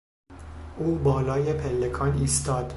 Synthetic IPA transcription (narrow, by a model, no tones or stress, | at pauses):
ʔuːbɒːlɒːje̞pʰelːekʰɒːniːst̪ɒːd̪̥